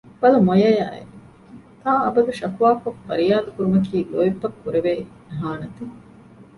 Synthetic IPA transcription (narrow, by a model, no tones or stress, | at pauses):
b̥ɐlɐmojɐja̰ːḛ | t̪aːɐbɐd̪uʃɐkuʋaːkoffɐɾijaːd̪ukuɾumɐkiːloipːɐkːuɾeʋeː | ɦaːnɐt̪i